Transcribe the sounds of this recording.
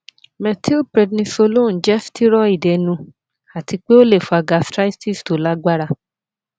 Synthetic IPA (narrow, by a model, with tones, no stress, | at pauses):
mɛ̃˧ti˦lpɾɛ˧dnĩ˧so˧lo˦˨n̩˨d͡ʒɛ˦ftʰi˦ɾɔ˦i˦˨dɛ˨nũ˧ | a˨ti˧k͡pe˦o˦le˦˨fo˧a˧ɡa˧stɾa˦i˦ti˦˨sto˨˦la˦ɡ͡ba˦ɾa˧